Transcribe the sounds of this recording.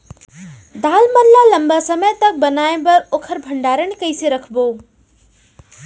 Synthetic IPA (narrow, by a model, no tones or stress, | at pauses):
d̪aːlməɾlaləmbasəməjt̪ɐk̚bənaːebəoːkʰəɾbʱəɳɖaːɾənkəɪseɾəkʰboː